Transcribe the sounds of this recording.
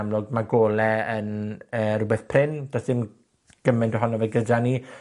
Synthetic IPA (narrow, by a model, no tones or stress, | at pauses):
mlˠʊɡmaɡoːlɛənəːɾʊbɛθpʰrɪnd̥ɔsɪm | ɡ̥əmɪndwɦɔnɔvɛɡəd͡ʒani